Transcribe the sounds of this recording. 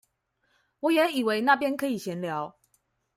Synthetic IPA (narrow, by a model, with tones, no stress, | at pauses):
wɔ˨˦jɛ˨˦ni˨˩we˧˦ɪna˥˨pjɛ˥˦nkʰɤ˧˦i˨˩ɕjɛ˨˦nljɑ˨˦ʊ